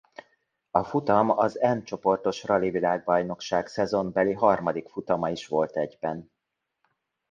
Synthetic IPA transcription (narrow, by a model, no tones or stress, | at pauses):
ɒfut̪ɒmɒzɛnt͡ʃo̞po̞rt̪o̞ʃrɒlivilaːɡ̚bɒjno̞kʃaːksɛzo̞mbɛliɦɒrmɒd̪ikfut̪ɒmɒiʃʋo̞lt̪ɛɟbɛn